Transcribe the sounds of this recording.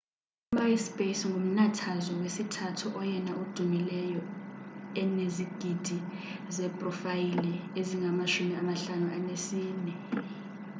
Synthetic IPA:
umawispʼesŋʱum̩natʰazɔwesitʰatʰuʔɔjɛnaʔud̥ʱumilɛjɔ | ɛneziɡ̥ʱid̥ʱizɛpʼrɔfajilɛeziŋʱamaʃumiamaɬanuʔanesiːnɛ

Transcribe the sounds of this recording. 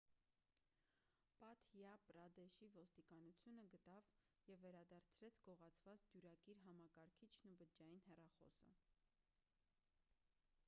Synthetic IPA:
pɑt̪ʰjɑpɾɑd̪ɛʃivɔst̪ikɑnut͡sʰjunəɡət̪ɑv | jɛvːɛɾɑd̪ɑɾt͡sʰɾɛt͡sʰɡ̥ɔʁɑt͡sʰvɑt͡sd̪juɾɑkiɾɦɑmɑkɑɾkʰit͡ʃʰnubəd͡ʒɑjinɦɛrɑχɔ̰sə̰

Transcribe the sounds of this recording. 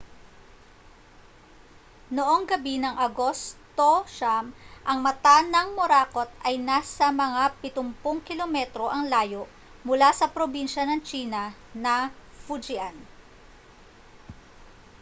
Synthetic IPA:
noʔo̞ŋɡɐbinɐŋʔɐɡo̞st̪oʃamʔɐŋmɐt̪anɐŋmoɾaːko̞t̪̚ʔɐjnasɐmɐŋapɪt̪ʊmpʊŋkɪlomɛt̪ɾo̞ʔɐŋlaːjo̞ʔ | mʊlasɐpɾobinʃɐnɐŋt͡ʃiːnɐnɐfud͡ʒɪan

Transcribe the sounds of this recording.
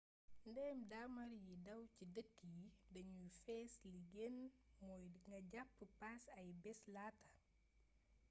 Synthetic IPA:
ndɛːmdamɐɾjidɐwcidətːijidɐɲufɛːsliɡɛnmɔːjŋɡɐɟapːəpasɐjbɛslaːtɐ

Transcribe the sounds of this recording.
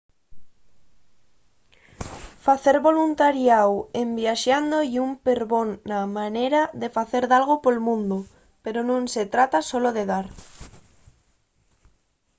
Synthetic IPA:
faθeɾβolunt̪aɾjawembjaʃand̪ojumpeɾβonːamanejɾaðefaθeɾðalɣopolmũnd̪o | peɾonõŋset̪ɾat̪asoloðeðaɾ

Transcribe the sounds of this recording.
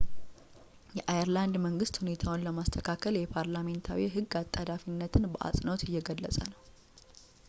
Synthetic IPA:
jɛʔajəɾland̪məŋɡɨst̪hune̞t̪ʰawnləmast̪ʰəkʰakʰəljɛpʰaɾlame̞nt̪ʰawiɦɨɡːat̪ʼːad̪afinːət̪ʰɨnbəʔa̰sʼnot̪ɪjːɛɡəlːəsʼə̰nəw

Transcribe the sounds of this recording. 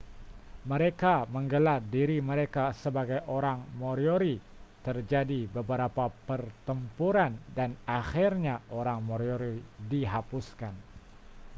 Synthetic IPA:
məɾekaməŋɡəlardiɾiməɾekasəbaɡajʔoɾaŋmoɾjoɾi | t̪ərd͡ʒadibəbəɾapapərt̪əmpuɾandanaxirɲaʔoɾaŋmoɾjoɾidiɦapuskan

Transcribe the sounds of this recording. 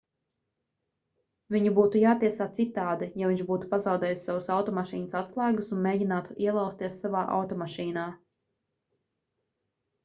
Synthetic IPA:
vʲiɲubuːt̪ujaːt̪iɛsaːt̪sit̪aːd̪ijaviɲʒbuːt̪u̥pazɑwd̪ɛːjissawusawt̪ɔmaʃiːnəsat̪slˠæːɡusunmeːɟinaːt̪uʔiɛlˠawst̪iɛsːavaːʔa̰wt̪ɔmaʃiːnaː

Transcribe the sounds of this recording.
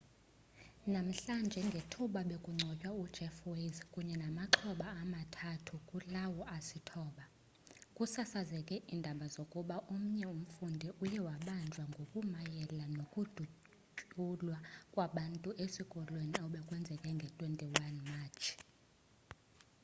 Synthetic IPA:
nam̩ɬand͡ʒʱɛŋɡʱetʰuɓaɓekʼuŋ͡ǀʱɔcʼwaud̥ʒ̥ʱɛfwezkʼuɲɛnamaǁʰɔɓaːmatʰatʰukʼulawɔʔasitʰɔːɓa | kʼusasazɛkʼɛʔiːndʱaɓazokʼuɓaʔum̩ɲɛum̩fundʱiʔujɛwaɓand͡ʒʱwaŋɡʱokʼumajɛlanokʼud̥ʱu | ulwakʼwaɓantʼuʔesikʼɔlweniauɓɛkʼwɛnd͡zʱɛkʼɛŋɡʱɛtʼwentʼiwanmaːt͡ʃʰi̥

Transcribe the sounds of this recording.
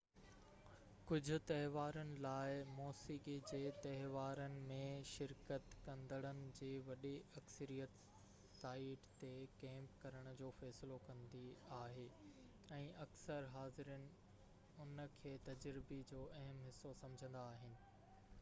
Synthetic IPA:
kʊd͡ʑʱʊ̆t̪ɐɦɪʋaːɾənɪ̆laːɪmɔːsiːkid͡ʑeːt̪ɐɦɪʋaːɾənɪ̆mẽʃɪɾkət̪kɐ̃nd̪ʱəɽ̃ənɪ̆d͡ʑeːʋɐɗiɐksəɾijət̪ | saːɪʈt̪ekɛ̃ːmpkɐɾəɽ̃ʊ̆d͡ʑoːfɛːsɪlokɐ̃nd̪iaːɦeː | ɛ̃ːʔɐksəɾɦaːzɪɾənɪ̆ | ʊnə̆kʰeːt̪ɐd͡ʑɾɪbed͡ʑoːʔɐɦəmɦɪsːosɐ̃md͡ʑʱə̃nd̪aːɦɪnɪ̆

